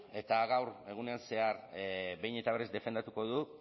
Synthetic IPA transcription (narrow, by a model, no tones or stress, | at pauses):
e̞t̪aɣawɾe̞ɣ̞une̞anse̞aɾβe̞jne̞t̪aβe̞ɾe̞zd̪e̞fe̞nd̪at̪uko̞ðu